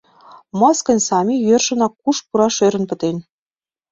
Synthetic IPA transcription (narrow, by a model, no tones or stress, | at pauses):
mɑskɤ̆nʲsɑmʲijørʃɤ̆nɑkuʃpuɾɑʃøɾə̆npə̆t̪enʲ